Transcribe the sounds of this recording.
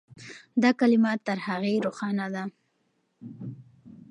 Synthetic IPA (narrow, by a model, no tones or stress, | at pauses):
d̪ɑkalɪmat̪ːəɾhaɣeɾoxɑnad̪a